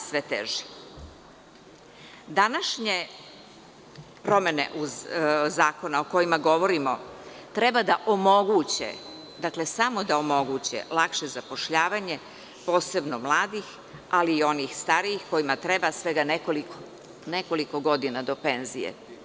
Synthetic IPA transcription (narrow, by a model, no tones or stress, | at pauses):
sʋe̞t̪ḛʒi̥ | d̪anaʃɲe | pɾo̞me̞nḛʔuzzaːko̞naoko̞jimaɡo̞ʋo̞ɾimo̞t̪ɾe̞bad̪aʔomo̞ɡut͡ɕḛ | d̪akle̞samo̞d̪aomo̞ɡut͡ɕḛlˠakʃe̞zapo̞ʃʎaːʋaɲe̞ | po̞ːse̞bno̞mlˠaːd̪ix | aliːo̞nixst̪aɾijixko̞imat̪ɾebasʋe̞ɡanekoliko | ne̞ko̞liko̞ɡo̞d̪inad̪o̞pe̞nzijḛ